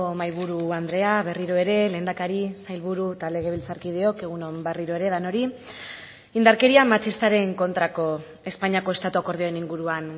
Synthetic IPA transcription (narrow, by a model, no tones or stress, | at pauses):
omajβ̞uɾuand̪ɾe̞aβe̞riɾo̞e̞ɾe̞le̞ːnd̪akaɾisajlβuɾut̪ale̞ɣ̞e̞β̞ilt͡saɾkið̞e̞o̞ke̞ɣ̞uno̞mbe̞riɾo̞e̞ɾe̞ðano̞ɾi | ind̪aɾke̞ɾiamat͡ʃist̪aɾe̞ŋko̞nt̪ɾako̞ | e̞spaɲako̞e̞st̪at̪uako̞ɾð̞ioeniŋɡuɾuan